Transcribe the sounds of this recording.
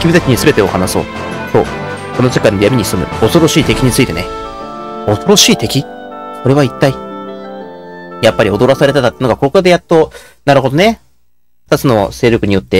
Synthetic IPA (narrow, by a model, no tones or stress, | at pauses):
kʲibʲit̪akʲiɲ̟isɨbe̞t̪e̞o̞hanasɨo̞̰ː | so̞̰ː | sonose̞kːainoijamʲiɲ̟isɨmɯ̟o̞so̞ɾo̞ɕiːt̪e̞kʲiɲ̟it͡sɨit̪e̞ne | o̞so̞ɾo̞ɕiːt̪e̞kʲiko̞ɾe̞βait̪ːai | japːaɾʲio̞d̪o̞ɾasaɾe̞t̪at̪at̪ːenoɡakokoad̪ejat̪ːo | naɾɯ̟ɦo̞d̪o̞ne̞ | ɯ̥t̪at͡sɨno̞se̞ːɾʲokɯ̟ɲ̟ijot̪ːe̞